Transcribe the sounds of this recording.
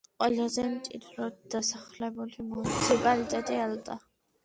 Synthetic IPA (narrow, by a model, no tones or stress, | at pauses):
qʼwɛlazɛmt̪ʼḭd̪ɾɔd̪̥asaχlɛbulimunisʰipʼalit̪ʼɛt̪ʼɛalt̪ʼa̰